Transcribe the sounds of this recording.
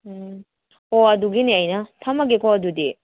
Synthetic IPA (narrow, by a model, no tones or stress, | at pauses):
ɔɐduɡiniɐjnɐtʰɐmɐɡekʰɔɐdudi